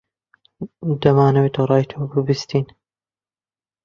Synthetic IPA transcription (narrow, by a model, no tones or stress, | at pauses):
d̪ɐmaːnɐweːt̪ʰowrˤɑːjt̪ʰoːbɨbɨst̪iːn